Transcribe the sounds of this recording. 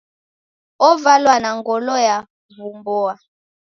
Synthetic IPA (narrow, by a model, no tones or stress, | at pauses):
ɔvalwanaŋɡɔlɔja | vumbɔa